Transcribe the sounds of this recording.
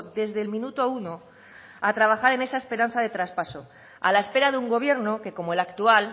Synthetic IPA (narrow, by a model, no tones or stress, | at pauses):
d̪e̞zðe̞lmĩnut̪oauno̞ | at̪ɾaβ̞axaɾe̞ne̞sae̞spe̞ɾan̟θaðe̞t̪ɾaspaso̞ | a̰lae̞spe̞ɾaðeuŋɡo̞β̞je̞ɾno̞ke̞ko̞moe̞lakt̪ual